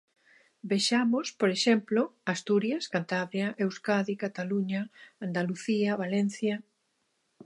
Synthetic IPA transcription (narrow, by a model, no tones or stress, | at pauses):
bejʃamospoɾeʃemploast̪uɾjaskant̪aβɾjaʔewskaðikat̪aluɲaand̪aluθiaβalen̟θja